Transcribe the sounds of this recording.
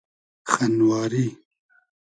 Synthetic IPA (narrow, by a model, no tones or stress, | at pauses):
xanwaːɾi